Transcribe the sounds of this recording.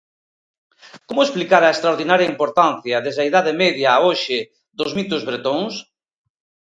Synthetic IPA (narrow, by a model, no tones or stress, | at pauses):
komʊesplikaɾɐest̪ɾaoɾðinaɾjaimpoɾt̪anθjɐðezðɐiðaðemeðjɐːoʃɪ | ðʊzmit̪ʊzβɾet̪oŋs